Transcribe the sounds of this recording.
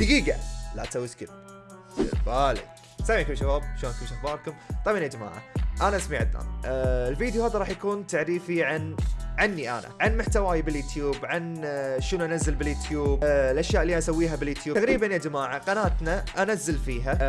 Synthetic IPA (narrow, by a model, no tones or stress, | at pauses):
d̪aɡiːɡa̰la̰ʔt̪awskɪb | ɪ̰ɾbaːlɪ̰k | samːiʕkʊmʃabaːb̚ʃoːnkʊmʃaxbɑːd̪kʊmt̪ˤɑmanjad͡ʒama̰ːʕa̰ʔanaʔasmiʕad̪ːa̰ːnʔɪlviːd̪juhaːðaɾˤɑːħjakuːnt̪aʕɾiːfiʕanʕanːiʔa̰ːna̰ʕanmʊħt̪awaːjabɪljʊt̪ʰjuːbʕanʃənuʔanazːɪlbɪljʊt̪juːb̚lʔaʃjaːʔlːiʔasawːiːɦabɪljʊːt̪juːt̪aɣɾiːbanjad͡ʒamaːʕaqɑnaːt̪naʔanazːɪlfiːɦa